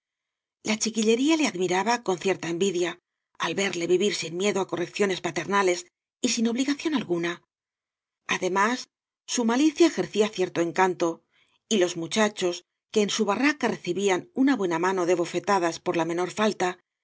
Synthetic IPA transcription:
lat͡ʃikiʎe̞ɾiale̞aðmiɾaβako̞nθje̞ɾt̪aembiðja | alβe̞ɾle̞βiβiɾsinmje̞ðoako̞re̞kθjo̞ne̞spat̪e̞ɾnale̞s | isino̞βliɣaθjo̞nalɣuna | aðe̞masː | umaliθjaexe̞ɾθiaθje̞ɾt̪o̞e̞ŋkant̪o̞ | ilo̞zmut͡ʃat͡ʃo̞s | ke̞ːnsuβarakare̞θiβianunaβwe̞namãno̞ðe̞β̞o̞fe̞t̪aðaspo̞ɾlamẽ̞no̞ɾfalt̪a

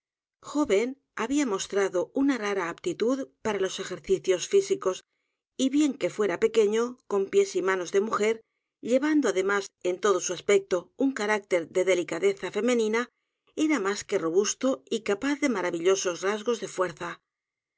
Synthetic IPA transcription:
xo̞βe̞n | aβiamo̞st̪ɾaðo̞unaraɾaːpt̪it̪uðpaɾalo̞se̞xe̞ɾθiθjosfisiko̞s | iβje̞ŋke̞fwe̞ɾape̞ke̞ɲo̞ko̞mpje̞simano̞zðe̞muxe̞ɾ | ʎe̞βand̪oaðe̞mase̞nt̪o̞ðo̞suaspe̞k̚t̪o̞uŋkaɾak̚t̪e̞ɾðe̞ðe̞likaðe̞θafe̞mẽ̞nĩna | e̞ɾamaske̞ro̞β̞ust̪o̞ikapaθðe̞maɾaβiʎo̞so̞zrazɣo̞zðe̞fwe̞ɾθa

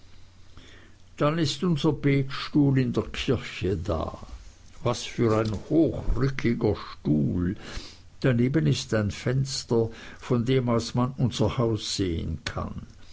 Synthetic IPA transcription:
d̥anɪstʊnzɐbeːkʃtuːlɪndeːɐkʰɪɐçəda̰ːvasfyːɐʁaɪnhoːxʁʏkʰɪɡɐʃtuːl | d̥aneːbənɪstaɪnfɛnstɐfɔndeːmalsmanʊnzɐhaʊsz̥eːə̰nkʰa̰n

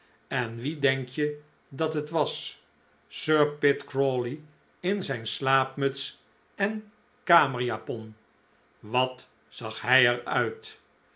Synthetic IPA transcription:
ɛnʋidɛŋkjə | dɑtɦətʋɑs | søːɹpɪtkɹoːli | ɪnzɛjnslaːpmɵts | ɛn | kaːməɹjaːpɔn | ʋɑt | sɑχɦɛjɛɹœ̰ɥt

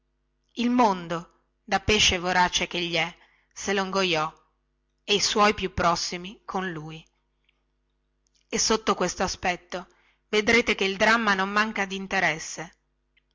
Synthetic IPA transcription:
ilmond̪o | d̪apeːʃːevoɾaːt͡ʃek̟eʎːiɛ | seloŋɡojɔ | eijswɔjpjupːɾɔsːimikʰonluːj | esːot̪ːokwest̪oaspɛt̪ːo | ved̪ɾeːt̪ekeild̪ɾamːanomːaŋkad̪int̪eɾɛsːe

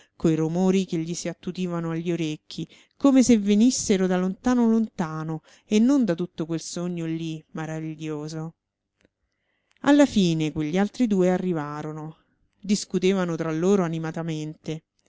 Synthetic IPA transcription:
kojrumoːɾikeʎːisiat̪ːud̪iːvanoaʎːioɾekʰːi | komesevːenisːeɾod̪alont̪aːnolont̪aːno | enːond̪at̪ut̪ːokwelsoɲːolimaɾaviʎːoːzo | alːafiːnekweʎːialt̪ɾid̪uːearːivaːɾono | d̪iskut̪eːvanot̪ɾalːoːɾoanimat̪ament̪e

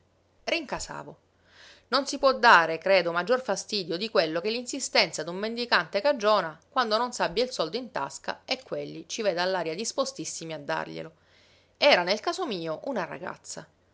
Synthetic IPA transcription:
riŋkasa̰ːvo | nonsipwɔd̪ːaːɾekɾeːd̪omad͡ʒːorfast̪iːd̪jod̪ikwelːokelːinsist̪ɛnt̪sad̪ummend̪ikant̪ekad͡ʒːɔːnakwand̪ononsabːjailsɔld̪oint̪a̰ska̰ekːwelːit͡ʃiveːd̪alːaːɾjad̪ispost̪isːimiad̪ːa̰rʎḛlo | ɛːɾanelkaːsomiːoʔunaɾa̰ɡa̰t̪sːa

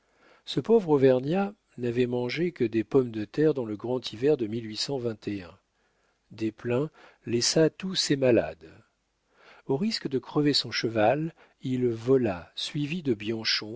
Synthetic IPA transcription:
səpovʁovɛʁnja | navɛmɑ̃ʒekəd̪epɔmd̪ət̪ɛʁd̪ɑ̃ləɡʁɑ̃t̪ʰivɛʁd̪əmilɥisɑ̃vɛ̃t̪ʰeɛ̃ | d̪eplɛ̃ | lɛsat̪usemala̰d̪ | oʁiskd̪əkχəvesɔ̃ʃəval | ilvɔlasɥivid̪əbjɑ̃ʃɔ̃

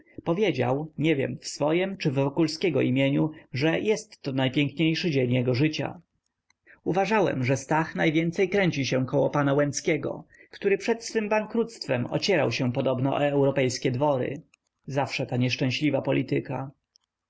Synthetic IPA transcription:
pɔvʲjed͡ʑa̰wɲɛvʲjɛ̰mfsfɔjɛmt͡ʂɘvːɔkulskʲɛɡɔ̰imʲjeɲuʐɛjɛst̪ːɔnajpʲjɛŋkɲejʂɘd͡ʑeɲjɛɡɔʐɘt͡ɕa̰ | uvaʐawɛ̰mʐɛst̪axnajvʲjɛnt̪sɛjkɾɛɲt͡ɕiɕɛ̃kɔwɔpanawɛnskʲɛɡɔ̰kt̪uɾɘpʂɛt̪sfɘmbaŋkɾut̪st̪fɛmɔ̰t͡ɕɛɾawɕɛpɔd̪ɔbnɔʔɛwɾɔpɛjskʲɛd̪vɔɾɘ̰ | zafʂɛt̪aɲɛʂt͡ʂɛ̃ɕlʲivapɔlʲit̪ɘka

